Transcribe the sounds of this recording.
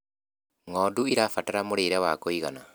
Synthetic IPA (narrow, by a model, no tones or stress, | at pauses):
ŋɔduiɾafataɾamoɾeɾɛwakoiɣana